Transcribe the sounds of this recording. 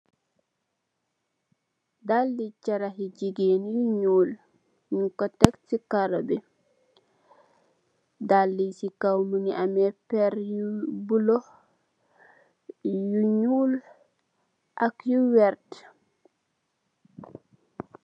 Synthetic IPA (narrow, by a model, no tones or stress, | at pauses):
dalːit͡ʃaɾaɦid͡ʒiɡenijuɲuːl | ɲukɔtɛktikaɾɔbɛ | dalːisikawmuniʔamɛpɛɾjubulɔ | juɲul | ʔakjuwɛɾt